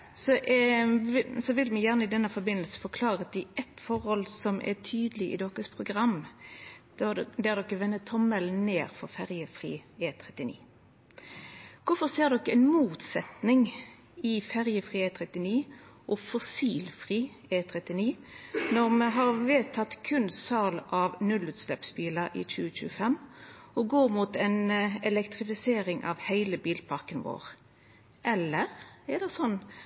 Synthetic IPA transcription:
sɔʔ | sɔʋɪlmɛjæʁnəɪd̪ɛnːəfɔɾbɪnːəlsə̥fɔʁkʰlɑːʁət̪ɪʔɛt̪fɔɾhɔlsɔmʔɛ̰t̪ʰyːd̪əlɪɪ̰d̪ɔkːəspʰʁʊɡʁɑm̥ | d̪æʁd̪ɔkːəʋɛnːət̪ʰːɔmːəlnnːeːʁfɔʁfæʁjəfʁḭːeːt̪ʰɾɛt̪ːɪnḭː | kʊfɔʁseːʁd̪ɔkːəɛɪnmuːt̪sɛt̪nɪŋ | ɪfæʁjəfʁiːet̪ʰʁɛt̪ɪniːʔɔfɔsiːlfʁiː | eːt̪ʰʁɛt̪ɪniː | nɔʁmɛɦɑʁʋeːt̪ʰɑt̪kʰʉnsɑlʔɑʋnʉlʉːt̪slɛpsbiːləʁḭːc͡çʉːəçʉ̰ːəfɛmː | ɔɡoːʁmuːt̪ɛnɛlɛkt̪ʁɪfɪseːʁɪŋʔɑ̰ʋhæɪləbiːlpʰɑʁkənʋo̰ːʁ | ʔɛlːəʁɛʁd̪ɛsɔnː

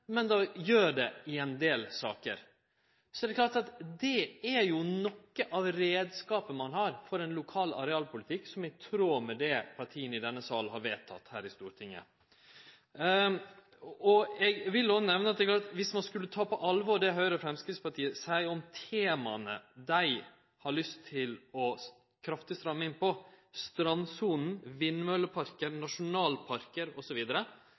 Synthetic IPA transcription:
mɛnd̪ɑjøːɖɛɪɛnd̪eːlsɑ̰ːkəɾ | sɔɛd̪ɛklɑːʈɑt̪d̪ɛæɾjʊnɔkːəʔɑʋɾeːd̪skɑːpənmɑnɦɑɾfɔɾɛnlʊkʰɑːlɑ̰ɾɛɑːlpʊlɪt̪ʰɪkːsɔmɛɪt̪ʰɾoːmɛd̪ɛpʰɑɾʈʰiːənəɪd̪ɛnːəsɑːlnhɑɾʋeːt̪ʰɑ̰t̪ːhæːɾɪst̪uːɾt̪ʰɪŋːə̰ | ɔɛɡʋɪlːɔsnɛʋnəɑt̪̚d̪ɛklɑːt̪ʋɪsmɑnskʉlːət̪ʰɑːpɔʔɑlʋɔɖɛɦœʏəɾəfɾɛmskɾɪt̪spɑʈʰiːəsæɪɔmt̪ʰeːmɑnəd̪æɪ | hɑɾɭʏst̪ʰːɪlɔ | kʰɾɑft̪ɪst̪ɾɑmːɪŋpɔst̪ɾɑnsuːnn̩ʋɪnːmœləpʰɑɾkəɾnɑʂʊnɑːlpʰɑɾkəɾɔsɔʋiːd̪əɾə

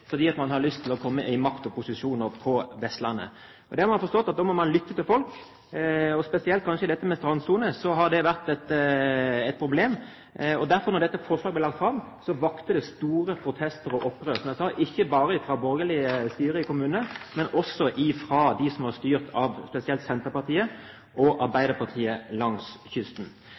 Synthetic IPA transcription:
fɔɾd̪iːɑt̪mɑnhɑɾlʏst̪ʰɪlɔkʰɔmːəʔɪmɑkt̪ɔpʊsɪʂuːnəɾpʰɔʋɛst̪lɑnːə̰ | ɔd̪ɛhɑɾmɑnfɔɾst̪ɔt̪ːɑt̪̚ɔmɔmɑnlʏt̪ːət̪ɪlfɔlk | ɔspɛsɪɛlt̪̚kʰɑnʂəɪd̪ɛt̪ːəmɛst̪ɾɑnsuːnəsɔɦɑd̪ɛʋæʁt̪ɛt̪ | ɛt̪̚pʰɾʊbleːm | ɔd̪æɾfɔɾnɔɾd̪ɛt̪ːəfɔʂlɑːɡblɛlɑk̚t̪fɾɑmː | sɔʋɑkt̪əd̪ɛst̪uːɾəpʰɾʊt̪ʰɛst̪əɾɔʔɔpːɾøːsɔmdæsɑːʔɪçːəbɑːɾəɪfɾɑbɔɾɡəlɪəst̪yːɾəɪkʊmʉːnəmɛnʔɔsːɔʔɪfɾɑd̪ɪsɔmhɑɾst̪yːʁt̪ʰɑʋspɛsɪɛlt̪sɛnt̪əɾpɑʁt̪ʰiːə | ʔɔʔɑɾbæɪd̪əpʰɑʁt̪ʰiːəlɑŋsçʏst̪n

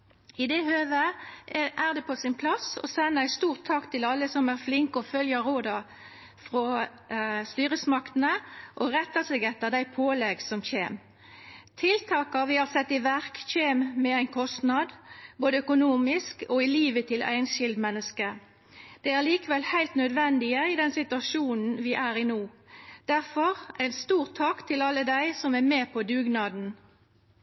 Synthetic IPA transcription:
ɪd̪ɛhøːʋə | ʔæʁd̪ɛpʰɔsɪnpʰlɑsɔ̰sɛnːəæɪst̪uːʁt̪ʰːɑːkt̪ʰɪlɑlːəsɔmæʁflɪŋkɔfœljəɾoːd̪ɑ | fʁɔ | st̪yːɾəsmɑkt̪nəʔɔʁɛt̪ːəsɛːɡɛt̪ːəʁd̪æɪpʰoːlɛɡsɔmçeːm | t̪ʰɪlt̪ʰɑːkɑʋɪhɑʁsɛt̪ːɪʋæʁkçeːmmɛæɪnkʰɔst̪nɑd̪boːd̪əœkʊnuːmɪskoːɪliːʋət̪ʰɪlʔæ̰ɪnʃɪld̪mɛnːəskə | d̪̥ɛæʁliːkəʋɛlhæɪlt̪nœd̪ʋɛnd̪ɪəɪd̪ɛnsɪt̪ʉɑʃuːnn̩ʋɪʔæːʁɪnoːd̪̥æʁfɔʁæɪnst̪uːʁt̪ʰːɑːkt̪ʰɪlɑlːəd̪æɪsɔmæmeːpʰɔd̪ʉːɡnɑːd̪n̩

